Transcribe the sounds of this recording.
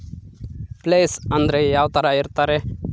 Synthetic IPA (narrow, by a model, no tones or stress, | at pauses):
pleːsɐnd̪ɐɾejaːʋt̪ɐɾaiɾt̪aːɾe